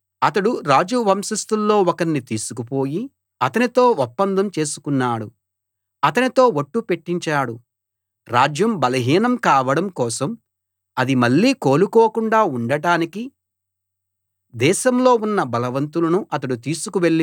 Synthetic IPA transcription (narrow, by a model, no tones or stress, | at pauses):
ɐt̪ɐɽuɾaːd͡ʒuʋɐmʃɐst̪ulːo̞ːɔkɐnːit̪iːsu̥kupo̞ːji | ɐt̪ɐnit̪o̞ːɔpːɐnd̪ʱɐmt͡ʃe̞ːsu̥kunːaːɽu | ɐt̪ɐnit̪o̞ːʋoʈːupe̞ʈːiɲt͡ʃaːɽu | ɾaːd͡ʒjɐmbɐlɐɦiːnɐmkaːʋɐɽɐmkɔːsɐm | ɐd̪imɐɭːiːko̞ːlukoːkuɳɖaːuɳɖɐɽaːniki | d̪ɛːʃɐmlo̞ːunːɐbɐlɐʋɐnt̪ulɐnuʔɐt̪̬ɐɽut̪iːsukuʋe̞ɭːi